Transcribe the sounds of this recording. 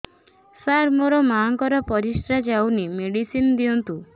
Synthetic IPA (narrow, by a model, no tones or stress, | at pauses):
saɾmoɾɔmaːŋkɔɾɔpɔɾisʈɾad͡ʒawnimeɽisinɔd̪iɔnt̪u